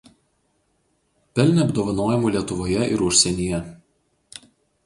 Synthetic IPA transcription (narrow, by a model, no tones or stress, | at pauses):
pʲɛlʲnʲɛɐbd̪oːʋɐnoːjɛmuːˑlʲiɛt̪ʊʋoːjɛʔɪɾʊʃʲsʲɛnʲijɛ